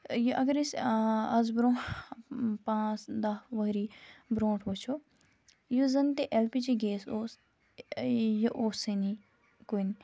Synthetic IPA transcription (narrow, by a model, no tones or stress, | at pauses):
jʔɐɡəɾisɐzbɾõː | pãːsd̪ɐʋɐɦɾiːbɾõːʈʰʋot͡ʃʰo | juzɐnt̪eʔelpit͡ʃiɡeːsoːs | joʔoːseni | koːini